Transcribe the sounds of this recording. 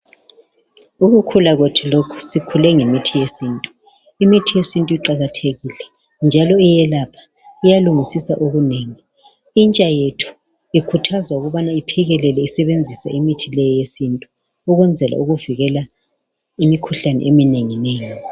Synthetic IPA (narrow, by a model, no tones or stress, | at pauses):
uɣukʰulaɣotʰilokʰu̥sikʰulɛŋemitʰijesintʼu̥ | imitʰijesintʼuiǃaɣatʰeɣilɛ | nd͡ʒʱalɔijɛlapʰḁ | ijaluŋisisa̰ʔoɣuneŋi | int͡ʃʼajetʰu̥ | ikʰutʰazwauɣuβanaipʰiɣɛlɛlɛisɛβend͡zʱisa̰imitʰilɛjɔjesintʼu | uɣwɛnd͡zʱɛla̰uɣuviɣɛla | imikʰuɬanɛ̰ʔemineŋineːŋi